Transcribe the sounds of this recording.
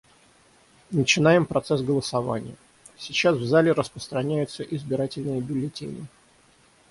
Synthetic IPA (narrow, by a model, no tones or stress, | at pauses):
nət͡ɕɪnajɪmpɾɐt̪sɛsɡəlˠəsɐva̰nʲɪ̰jə | sʲɪt͡ɕasvzalʲɪɾəspɾəst̪ɾɐnʲæjʊt̪səʔɪzbʲɪɾatʲɪlʲnɨjəbʲɪlʲɪtʲḛnʲɪ